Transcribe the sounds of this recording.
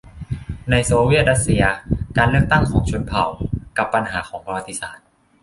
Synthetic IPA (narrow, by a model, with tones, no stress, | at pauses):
na˧jsoː˧wi˥˩t̪̚ɾa˦˥t̪̚si˧ɐkaː˧nlɯ˥˩ək̚t̪a˥˩ŋkʰɔː˩˦ŋt͡ɕʰu˧npʰa˨˩wka˨˩pːa˧nɦaː˩˦kʰɔː˩˦ŋpa˧wa˧t̪ːi˧˩saː˨˦t̪̚